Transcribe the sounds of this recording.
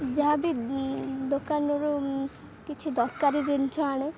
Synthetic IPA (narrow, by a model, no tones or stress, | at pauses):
d͡ʒaabi | d̪okanoɾu | kit͡ʃʰud̪ɔɾkaɾiɾent͡ʃʰoaɽ̃e